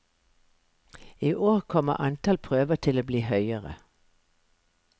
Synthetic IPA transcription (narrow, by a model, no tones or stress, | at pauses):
iːʔoːʁkʰɔmə̰ʔɑnt̪ʰɑlpʰʁøːʋət̪ʰɪloːbliːhœʏəʁə̰